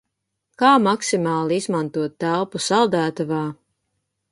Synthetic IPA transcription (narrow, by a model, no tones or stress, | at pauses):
kaːmaksimɑːlˠiizmant̪uɔt̪ːælˠpusalˠd̪æːt̪avaː